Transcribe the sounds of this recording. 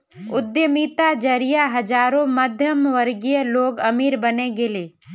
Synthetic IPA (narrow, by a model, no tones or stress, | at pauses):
ʊd̪jəmiːt̪ad͡ʒəɾijaɦɐd͡ʒaːɾõməd̪ʱjəmʋəɾɡijəloːɡɐmiːɾbəneɡeleː